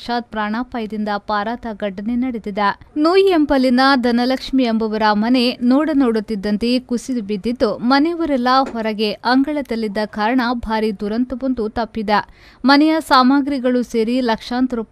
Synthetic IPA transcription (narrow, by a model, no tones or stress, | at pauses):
ʂaːd̪̚pɾaːɳaːpaːjɐd̪ind̪ɐpaːɾaːt̪ɐɡɐɖːɐnenɐɽed̪id̪ɐnuːjembɐlinɐd̪ʱɐnɐlɐkʂmiembɐʋɐɾɐmɐnenoːɽɐnoːɽut̪ːid̪ːɐnt̪e̞kusid̪ubid̪ːid̪ːumɐnejuʋɐɾɛlːɐɦɔɾɐɡe̞ʔɐŋɡɐɭɐd̪ɐlːid̪ːɐkaːɾɐɳɐbʱaːɾid̪uɾɐnt̪ubond̪ut̪ɐpːid̪ɐ | mɐnɛjɐsaːmaːɡɾiɡɐɭuseːɾilɐkʂaːnt̪ɾup